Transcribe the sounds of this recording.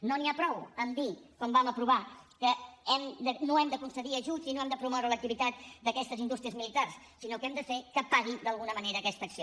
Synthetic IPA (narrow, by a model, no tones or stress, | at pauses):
noniapɾɔwənd̪ikɔmbaməpɾuβ̞akəɛmd̪ənoɛmd̪əkunsəðiəʒuzinoɛmd̪əpɾumɔwɾələk̚t̪iβit̪at̪̚d̪əkɛst̪əzind̪ust̪ɾiəzmilit̪ars | sinokɛmd̪əfekəpaɣid̪əlˠɣunəməneɾəːkɛst̪əksio